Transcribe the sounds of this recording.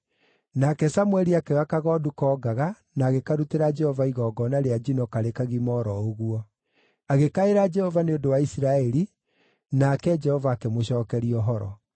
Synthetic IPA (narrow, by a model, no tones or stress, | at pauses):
nakɛsamwɛɾiakɛakaɣɔːdukɔːɡaɣa | naːɣekaɾuteɾad͡ʒɛhɔvaiɣɔɡɔnaɾead͡ʒinɔkaɾekaɣimɔɾɔoɣuɔ | aɣekaeɾad͡ʒɛhɔvaneodowaisiɾaɛɾi | nakɛd͡ʒɛhɔvaːkɛmoɕɔːkɛɾiɔɦɔɾɔ̰